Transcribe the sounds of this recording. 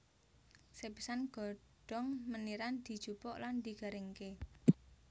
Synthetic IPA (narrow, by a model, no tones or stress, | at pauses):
sepisanɡ̥ɔ̤ | ɖ̥ɔ̤ŋməniɾand̪̥i̤̥ʒ̥upɔʔland̪i̤ɡ̥a̤ɾeŋke